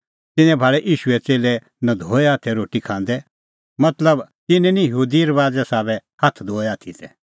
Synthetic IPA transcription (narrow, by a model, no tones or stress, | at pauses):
t̪ɪ̃nɛ̃bʱaːɭɛʔiːʃʊɛt͡seːlɛ | nɐ̃d̪ʱoːɛaːt̪ʰɛɾoːʈikʰãːnd̪ɛ | mɐt̪ləbt̪ɪnɛ̃nĩjəɦuːd̪iəɾʋaːd͡zɛsaːbɛhat̪ʰd̪ʱoːɛaːt̪ʰit̪ʰɛ